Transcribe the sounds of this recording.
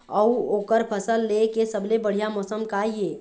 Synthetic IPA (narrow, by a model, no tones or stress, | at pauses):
əwokəɾpʰəsəlːekesəblebəɽ̤ijamɔsəmkaie